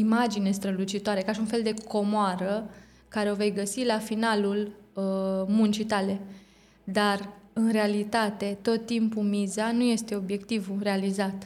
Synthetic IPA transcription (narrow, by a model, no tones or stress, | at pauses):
imad͡ʒine̞st̪ɾəlut͡ʃit̪oaɾe̞kaʃiunfe̞ld̪e̞kʰo̞moaɾə | kaɾeo̞ve̞jɡəsilafinaluləmunt͡ʃit̪ale̞ | d̪arɨnɾe̞alit̪at̪e̞t̪o̞t̪ːimpumizanuje̞st̪e̞o̞bje̞kt̪ivure̞alizat̪